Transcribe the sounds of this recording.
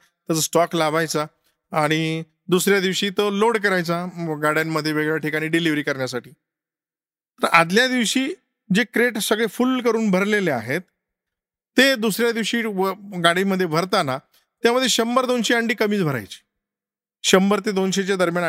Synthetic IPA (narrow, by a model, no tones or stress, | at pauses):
t̪əəsʈɔklaʋajt͡saː | ɽ̃i | d̪usɾjad̪iʋɕiːt̪əloɽk̬əɾajt͡saɡaɽ̤jamːəd̪ʱːjeʋeɡəɭʋjaʈikaɽ̃iːɖiliʋɾiːkəɾɳjasaʈʰiː | t̪əɾad̪ljad̪iʋɕiː | d͡ʑekɾeʈsəɡɭefulkəɾuːnbʱəɾleleaɦet̪ː | ed̪usɾjad̪iʋɕiːʋəɡaɽiməd̪ʱːjebʱəɾt̪ana | t̪jaməd̪ʱːjeɕəmbəɾd̪onɕeaɳɖiːkəmiːt͡sbʱəɾa̰jt͡ɕi̥ː | ɕəmbəɾt̪ed̪onɕet͡ɕjad̪əɾmjan